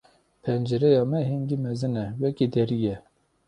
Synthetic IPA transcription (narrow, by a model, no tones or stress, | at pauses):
pʰɛnd͡ʒɛɾɛjɑːmɛɦinɡ̪imɛzɨnɛwɛkid̪ɛɾijɛ